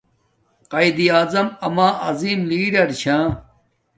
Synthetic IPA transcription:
qɐid̪iaːzɐmɐmãːʔɐziːmliːɖɐɾɕʰãː

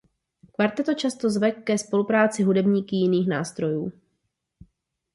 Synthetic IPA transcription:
kvaɾt̪ɛt̪ot͡ʃast̪ozvɛkːɛspo̞lupɾaːt͡sɪɦudɛbɲiːkɪjɪniːxnaːst̪ɾo̞juː

